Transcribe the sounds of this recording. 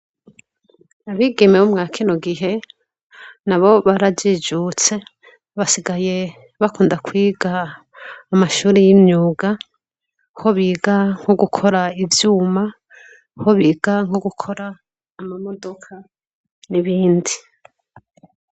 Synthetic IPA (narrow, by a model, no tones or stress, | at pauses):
aβiːɡe̞mewumŋaːkʰinoɡiɦe̞ | naβo̞βaɾaɟid͡ʒut͡se̞ | βasiɡaje̞ | βakuːndakwiːɡaː | maʃuːɾejimɲuːɡa | ho̞βiːɡaŋ̥hoɡukʰo̞ɾaivjuːma | hoβiːɡ̥aŋho̞ɡukʰo̞ɾaː | mamo̞do̞kʰa | niβiːndi